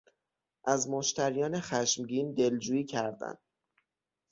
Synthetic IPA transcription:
ʔæzmoʃt̪ʰæɾijɒːne̞xæʃmɟiːnd̪e̞ld͡ʒuːjiːcʰæɾd̪æ̰nd̪̥

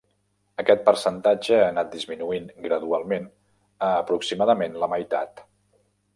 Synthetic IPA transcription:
əkɛt̪̚pəɾsənt̪ad͡ʒəanat̪̚d̪izminuiŋɡɾəðualˠmen | əːpɾuksimaðəmenləməjt̪a̰t̪

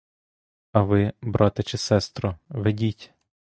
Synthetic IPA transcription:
ɐʋɪbɾʔɑt̪ɪt͡ʃɪsɛst̪ɾɔʋedʲitʲ

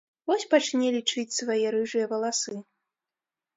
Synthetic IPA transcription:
vɔsʲpat͡ʂnʲɛlʲit͡ʂɨt͡sʲsvajɛɾɨʐɨjɐvɐlˠasɨ

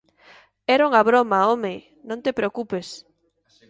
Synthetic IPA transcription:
ɛɾuŋaβɾomaome | nõnt̪epɾeokupes

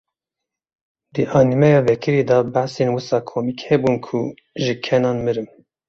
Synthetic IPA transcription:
d̪ɨʔɑːnimɛjɑːvɛkʰɨɾeːd̪ɑbæħsenwɨsɑːkʰomikhɛbunkʰṵ | ʒɨkʰɛnɑːnmɨɾɨm

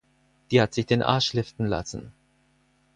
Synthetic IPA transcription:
d̥iːhatz̥ɪçd̥eːnʔa̰ɐʃlɪftn̩la̰sn̩

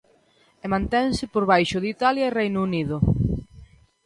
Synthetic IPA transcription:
ɛmãnt̪ɛŋsɪpoɾβajʃʊðit̪aljɐerejnuniðʊ

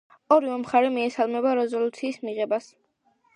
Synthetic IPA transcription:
ɔɾivɛmχaɾɛmiɛsalˠmɛbaɾɛzɔlut̪sʰiːsmiʁɛbas

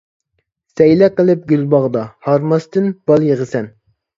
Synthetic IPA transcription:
sɛjlɛqəlˠɨp̚ɡʲylbɑʁd̪ɑhɑɾmɑst̪ɨnb̥ɑlˠjeʁəsɛn

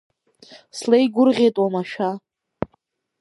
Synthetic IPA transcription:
slejɡʷʊrʁʲejtʼwamaʃᶣa

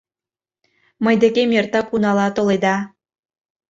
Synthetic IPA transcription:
məjd̪ekemert̪ɑkunɑlɑt̪oled̪ɑ

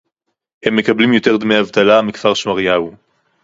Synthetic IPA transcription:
hemːe̞kablimjo̞t̪e̞ʁd̪me̞jhavt̪alamikv̥aʁʃmaʁjau

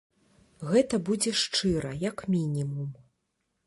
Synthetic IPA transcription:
ɣɛt̪ɐbud͡zʲɛʂt͡ʂɨɾɐjɐkmʲinʲimum

